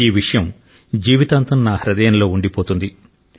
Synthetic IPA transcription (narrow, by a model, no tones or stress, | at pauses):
iːʋiʂɐjɐm | d͡ʒiːʋit̪aːnt̪ɐmnaːhɾɐd̪ɛjɐnɐlo̞ːuɳɖipoːt̪und̪i